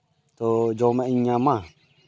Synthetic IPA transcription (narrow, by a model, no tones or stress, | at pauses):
t̪od͡ʒɔmɛiɲama